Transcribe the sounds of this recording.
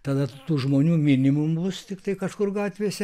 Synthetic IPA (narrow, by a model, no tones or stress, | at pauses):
t̪ɐd̪ɐt̪uːʒmoːnʲuːmʲɪnʲɪmʊmbʊst̪ʲɪkt̪ɐɪkɐʃkʊrɡɑːt̪ʲʋʲeːsʲɛ